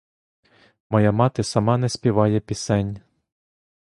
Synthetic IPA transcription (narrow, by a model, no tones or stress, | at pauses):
mɔjɑmɑt̪ɪsɐmɑnɛspʲiʋɑjɛpʲisɛnʲ